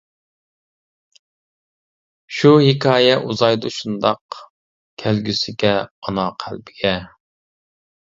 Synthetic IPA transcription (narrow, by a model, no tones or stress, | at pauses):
ʃuhɪkʲʰɑːjɛʔuzɑjd̪ʊʃund̪ɑq | kʲʰælɡʲysɪɡʲɛɑnɑqʰælbɪɡʲɛ